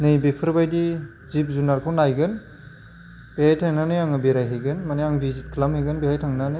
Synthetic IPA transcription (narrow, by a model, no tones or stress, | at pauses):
nɯjbepʰɯɾbajdi | zip̚zunaɾkʰownajɡɯn | b̥ehajtʰaŋnanɯjaŋɯbeɾajɦeɡɯnmanejaŋbizit̚kʰlamheɡɯnbihajtʰaŋnanɯ